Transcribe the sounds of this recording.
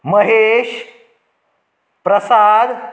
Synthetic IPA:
məɦeʃ | pɾəsad̪

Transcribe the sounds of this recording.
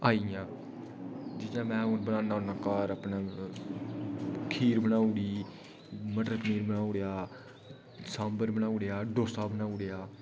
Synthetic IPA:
aːijãː | d͡ʒɪt̪jãːmɛ̃ːʊbənaːnaːnãːkaːɾəpnaː | kʰiːɾbənaːʊɽiː | məʈəɾpəmiːɾbənaːʊɽejaː | sãːmbəɾbənaːuɽejaːɖoːsaːbənaːʊɽejaː

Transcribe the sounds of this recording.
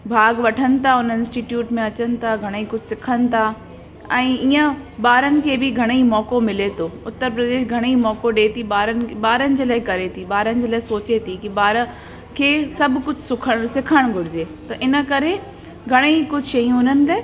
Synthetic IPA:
bʱaːɡʋɐʈʰənɪ̆t̪ʰaʊnəɪ̃nsʈiʈjuːʈmẽɐt͡ɕənɪ̆t̪ʰaɡʱɐɽ̃eikʊd͡ʑʱsɪkʰənɪ̆t̪ʰa | ɛ̃ːiːə̃ɓaːɾənɪ̆kʰeːbɪɡʱɐɽ̃eimɔːkomɪlet̪ʰoːʊt̪ːəɾpɾɐd̪eːʃɡʱɐɽ̃imɔːkoɗeːt̪ʰiɓaːɾənɪ̆ɓaːɾənɪ̆d͡ʑeːlaːɪkɐɾet̪ʰiɓaːɾənɪ̆d͡ʑeːlaːɪsoːt͡ɕet̪ʰikiɓaːɾə | kʰeːsɐbʱkʊd͡ʑʱsʊkʰəɽsɪkʰəɽ̃ɡʱʊɾɪd͡ʑeːt̪ɐʔɪnə̆kɐɾe | ɡʱɐɽ̃eikʊd͡ʑʱʃɐijũʊnənɪ̆le

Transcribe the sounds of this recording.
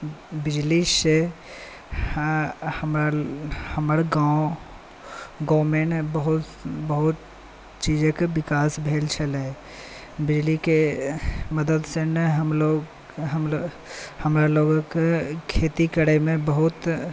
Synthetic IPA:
bɪd͡ʒlise | həmɾahəməɾɡao | ɡɔmeɳʈbəɦut̪ | bəɦut̪ | t͡ʃid͡ʒekebikasbʱelt͡ʃʰəlɛ | bid͡ʒlike | məd̪əd̪senəɦəmloɡ | ɦəm | həmɾaloɡkekʰet̪ikəɽɛmebəɦut̪

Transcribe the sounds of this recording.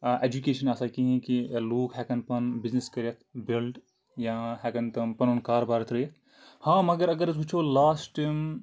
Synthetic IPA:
ʔeːd͡ʒukeːʃɐnaːsɐkiɦɛ̃kiloːkɦɛːkɐnpɐnbizniskɐɾɐt̪ʰbilɖ | jãɦɛːkɐnt̪ɐmpɐnunkaːɾbaːɾɐt̪ʰɾɐjɐt̪ʰ | hãːmɐɡəɾɐɡəɾsuːt͡ʃʰolaːsʈʈim

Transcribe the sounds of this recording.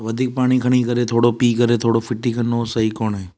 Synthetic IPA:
ʋəd̪ʱiːk̚paːɽ̃iːkʰəɽ̃iːkəɾet̪ʰoːɽopiːkəɾet̪ʰoːɽofʰɪʈːiːkʰənːosəɦiːkoːnɦeː

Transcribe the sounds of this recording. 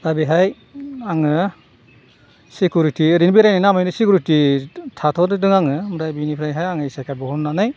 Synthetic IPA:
ɾabiɦaj | aŋɯ | sikjuɾitiɾinbiɾajnanamajnɯsikʰuɾititʰatʰɔdɯdɯŋaŋɯmɾajbinipʰɾajɦajaŋɯjsakʰajbɔhɔnnanaj

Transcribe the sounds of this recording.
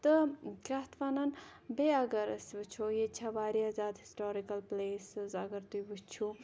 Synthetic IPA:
t̪ɨkʲɐt̪ʰʋɐnɐnbeɐɡɐɾɐsbɨt͡ʃʰojet͡ʃʰaʋaːɾiɐzaːd̪ɦi̥sʈoːɾikɐlpleːsɨzɐɡɐɾt̪ujbɨt͡ʃʰu

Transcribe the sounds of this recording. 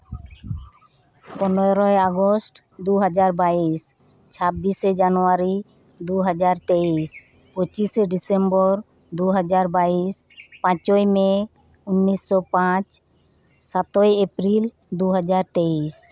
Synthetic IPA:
pɔnɔɾɔeaɡosʈ | d̪uɦɔd͡ʒaɾbais | t͡ʃʰabːised͡ʒanɔaɾi | d̪uɦɔd͡ʒaɾt̪eis | pot͡ʃiseɖisembɔɾ | d̪uɦɔd͡ʒaɾbaispãt͡ʃojme | unːisːɔpãt͡ʃ | sat̪ɔjepɾil | d̪uɦɔd͡ʒaɾt̪ejs

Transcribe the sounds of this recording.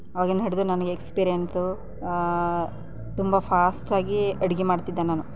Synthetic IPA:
ɐʋaːɡinɦɐɽd̪unɐnɐɡeekspiːɾijensu | t̪umbɐpʰaːsʈaːɡiɐɽiɡemaːɽt̪id̪ːanaːnu

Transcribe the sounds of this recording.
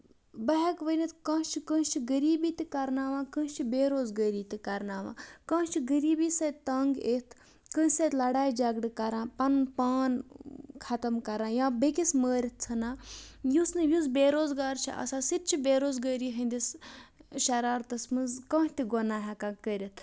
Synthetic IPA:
bɐɦekʋənit̪kɐ̃ːʃt͡ʃʰikə̃t͡ʃʰiɡəɾiːbiːt̪ikɐɾnaːʋãːkə̃ːʃt͡ʃʰibeːɾoːzɡəːɾiːt̪ikɐɾnaːʋa̰ːkɐ̃ːʃt͡ʃʰiɡəɾiːbiːsɐt̪t̪ɐːŋɡeːt̪ʰ | kə̃sɐt̪ʲlɐɽaːjd͡ʒɐɡɽɨkɐɾãːpɐnpaːnkʰɐt̪ɐmkɐɾãːjãːbekisməːɾʲit̪̚ʰt͡sʰɐnaːjusnɨjuzbeːɾoːzɡaːɾt͡ʃʰḭʔɐ̰saːsit̪̚t͡ʃʰibʲeːɾoːzɡəːɾiːɦɐ̃nd̪is | ʃɐɾaːɾt̪ɐsmɨnzkɐ̃ːʃt̪iɡonaːɦɛkaːkəɾʲit̪ʰ

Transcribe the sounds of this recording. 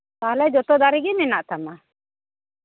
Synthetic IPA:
t̪ahlɛd͡ʒɔt̪ɔd̪aɾiɡɛmɛnaʔt̪ama

